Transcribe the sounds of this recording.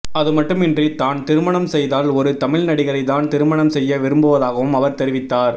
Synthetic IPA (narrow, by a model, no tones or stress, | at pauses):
ɐðɯmɐʈːɯmɪndrit̪aːnt̪ɪɾɯmɐɳɐmsɛjðaːlɔɾɯt̪ɐmɪɭnɐɽɪɣɐɾɐɪðaːnt̪ɪɾɯmɐɳɐmsɛjːɐʋɪɾɯmbɯʋɐðaːɣɐʋɯmɐʋɐɾt̪ɛɾɪʋɪt̪ːaːɾ